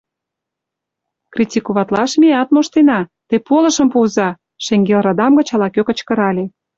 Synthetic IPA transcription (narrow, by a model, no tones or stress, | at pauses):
krʲitʲikuβɑt̪lɑʃmʲiɑt̪moʃt̪enɑt̪epolə̆ʃə̆mpuzɑ | ʃeŋɡelrɑd̪ɑmɡə̆t͡ɕɑlɑkøkə̆t͡ɕkə̆ɾɑlʲe